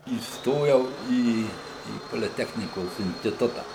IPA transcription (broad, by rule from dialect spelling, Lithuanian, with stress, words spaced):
iːsˈtoːjɛʊ ˈiː iː poːlʲɪˈtʲæːxʲnʲɪkoːs ɪnʲsʲtʲɪˈtʊtɐ